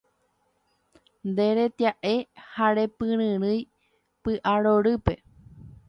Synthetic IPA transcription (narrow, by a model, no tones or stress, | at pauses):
nd̪e̞ɾe̞t̪jaʔe̞haɾe̞pɨ̃ɾɨ̃ɾɨj | pɨʔaɾoɾɨpe